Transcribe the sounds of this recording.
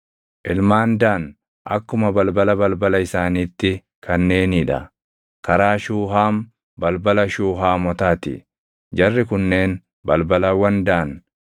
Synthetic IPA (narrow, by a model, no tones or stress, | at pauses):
ʔɪlmaːnd̪aːn | ʔɐ̰kːʊmɐbɐlbɐlɐbɐlbɐlɐɪsaːniːt̪ːɪ | kʰɐnːe̞ːniᶑɐ̰ | kɐɾaːʃuːɦaːm | bɐlbɐlɐʃuːɦaːmɔt̪aːt̪ɪ̰ | d͡ʒɐrːɪkʊnːe̞ːn | bɐlbɐlɐwɐnd̪aʔːn